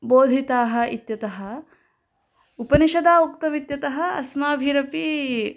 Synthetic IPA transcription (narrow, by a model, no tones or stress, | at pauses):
boːd̪ʱit̪aːɦɐ̆it̪jɐt̪ɐɦɐ̆ | upɐniʃɐd̪aːukt̪ɐʋit̪jɐt̪ɐɦɐ̆ɐ̰smaːbʱiːɾɐpi